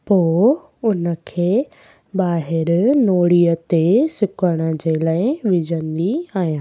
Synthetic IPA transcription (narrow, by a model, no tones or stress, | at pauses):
poː | ʊnə̆kʰeː | ɓaːɦɪɾnoːɽiət̪esʊkəɽ̃ə̆d͡ʑelaːɪʋɪd͡ʑʱə̃nd̪iaːɦijãː